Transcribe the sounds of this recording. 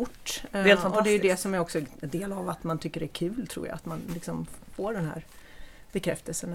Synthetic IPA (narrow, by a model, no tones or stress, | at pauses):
ʊʈːd̪eːlfɔnɔd̪ɛɾjəd̪ɛsɔmæɾɔksɔnd̪eːlavat̪mant̪ʰʏkːəɾɛæɾkʰʉ̟ːlt̪ʰɾṵːja̰a̰t̪manlɪksɔmfoːɖɛnɦæ̰ːɾ | b̥ɛkʰɾɛ̰ft̪əlsən